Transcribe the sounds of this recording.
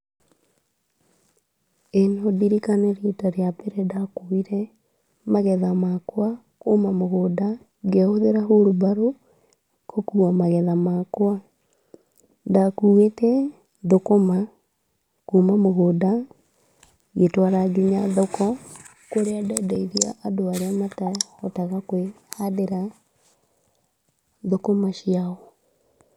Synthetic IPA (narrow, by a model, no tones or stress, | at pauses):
enɔdiɾikaneɾetaɾjapeɾɛdakoiɾɛ | maɣɛðamakwa | komamoɣoːda | ɡeoðeɾaɦuɾubaɾo | kokuamaɣɛðamakwa | ndakuwekɛ | ðokoma | kumamoɣoda | ɡetwaɾaɡiɲaðɔkɔ | koɾeadadaiɾia̰ʔːdoaɾeamataɔtaɣakwehaðeɾa | ðokomaʃiaɣɔ